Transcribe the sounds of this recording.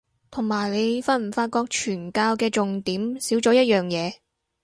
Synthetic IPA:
t̪ʰʊ˨˩ŋmaː˨˩jle˨˧jfaː˧t̚m̩˨˩faː˧t̚kɔː˧k̚t͡ʃʰyː˨˩nkaː˧wkɛː˧t͡ʃʊ˨ŋt̪iː˨˥msiː˨˥wt͡ʃɔː˨˥jɐ˥t̚jœː˨ŋjɛː˨˧

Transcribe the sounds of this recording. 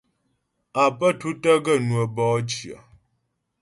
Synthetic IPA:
a˨pə˦tu˦tə˦ɡə˦˨nwə˨bɔː˨˦t͡ʃi˨ə̰˨

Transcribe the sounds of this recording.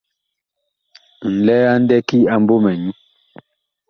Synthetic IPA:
n̩˨lɛ˦a˦n̩˦dɛ˦ki˦a˨m˦bo˦mɛ˨ɲu˦

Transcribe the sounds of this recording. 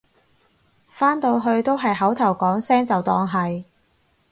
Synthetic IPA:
faː˥nt̪o˧wɦɵ˧ɥt̪o˥wɦɐ˨jɦɐ˨˥wt̪ʰɐ˨˩wkɔː˨˥ŋsɛː˥ŋt͡sɐ˨wt̪ɔː˧ŋɦɐ˨j

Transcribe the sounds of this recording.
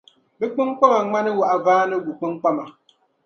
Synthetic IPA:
bɨ˦k͡pɨ˦ŋ˦k͡pa˦ma˨˦ŋ͡ma˦nɨ˦wʊ˨ʔa˨vaː˦nɨ˦ɡu˨k͡pɨ˦ŋk͡pa˦ma˨

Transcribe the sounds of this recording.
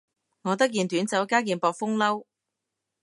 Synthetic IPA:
ŋɔː˨˧t̪̬ɐ˥k̚kiː˨nt̪yː˨˥nt͡sɐ˨˥wkaː˥k̬iː˨npɔː˨k̚fʊ˥ŋlɐ˥w

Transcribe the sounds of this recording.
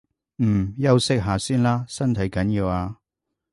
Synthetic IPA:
m̩˨˩jɐ˥wsɪ˥k̚ɦaː˨˧siː˥nlaː˥sɐ˥nt̪ʰɐ˨˥jkɐ˨˥njiː˧waː˧

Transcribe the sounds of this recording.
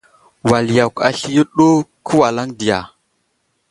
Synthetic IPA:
wa˨lja˨ka̰˨ɬi˦jə˦ɗo˦kʰə˦wa˨la˦ŋdi˨ja˨

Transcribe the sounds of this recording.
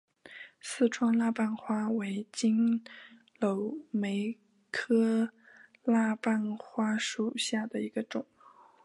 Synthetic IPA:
sɹ̩˥˩ʈ͡ʂʰwɑ˥ŋla˥˧pa˥˩nxwa˥we˧˥ɪt͡ɕi˥n | lo˧˥ʊme˧˥ɪ | kʰɤ˥ | la˥˧pa˥˩nxwa˥ʂu˨˩ɕja˥˩d̪ə˩i˧˥ɡə˧ʈ͡ʂʊ˨˩˦ŋ

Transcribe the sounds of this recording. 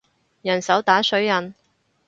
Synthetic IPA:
jɐ˨˩nsɐ˨˥wt̪aː˨˥sɵ˨˥ɥjɐ˨n

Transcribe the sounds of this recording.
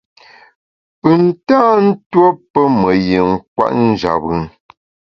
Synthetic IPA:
pɨ˨n̩˨taː˦n̩˦two˦pə˦mə˨je˨ŋ̩˦k̚wa̰˦ʔn̩˦d͡ʒa̰˨pə˨ŋ

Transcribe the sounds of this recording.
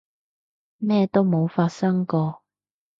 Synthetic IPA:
mɛː˥t̪o˥wmo˨˧wfaː˧t̚sɐ˥ŋkɔː˧

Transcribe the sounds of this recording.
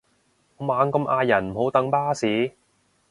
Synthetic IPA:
maː˨˧ŋkɐ˧mʔaː˧jɐ˨˩nm̩˨˩ho˨˥wt̪ɐ˨˥ŋpaː˥siː˨˥

